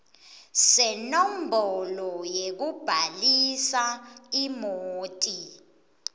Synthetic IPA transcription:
sɛnom̩bʱɔlɔjek̬ub̥ʱalisaimoːtʼi

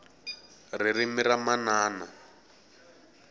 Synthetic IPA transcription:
ririmiɾamanaːna

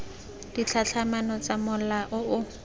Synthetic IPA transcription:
d̥it͡ɬʰaɬʰamanɔt͡samʊlaʔʊʊ

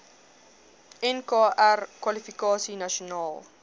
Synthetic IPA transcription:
ɛnkɑːʔærkwɐlifikɑːsinɐʃonɑːlˠ

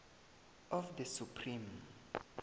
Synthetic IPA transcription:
ɔfdəsupʰrĩm

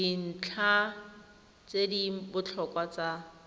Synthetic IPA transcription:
in̩t͡ɬʰa | t͡sedibʊt͡ɬʰɔkwat͡sa

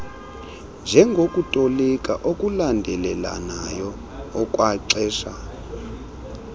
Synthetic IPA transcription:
nd͡ʒʱɛŋɡʱokʼutʼolɛkʼaʔokʼulandʱɛlɛla̰najɔ | ɔkʼwaǀɛːʃa

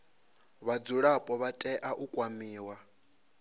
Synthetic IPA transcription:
βad͡zuɺapʼɔβatʼɛʔaʔukʼwamiːwa

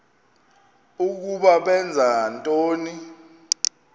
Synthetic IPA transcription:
uk̬uɓaɓɛnd͡zʱantʼoːni

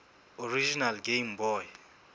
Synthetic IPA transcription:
orid͡ʒinalɡejmbɔːj

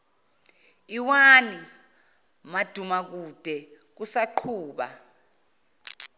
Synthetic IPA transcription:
iwani | mad̥ʱumak̬ud̥ʱɛ | k̬usaǃʰuːɓa̰

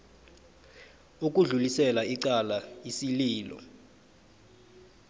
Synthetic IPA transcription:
uk̬ʼuɮulisɛlaiǀalajisiliːlɔ̰

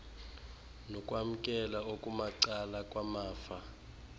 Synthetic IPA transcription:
nɔkʼwam̩kʼɛlaokʼumaǀalakʼwamaːfa

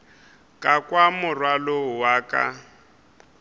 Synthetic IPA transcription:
kʼakʼwamʊrwalowaːkʼa̰

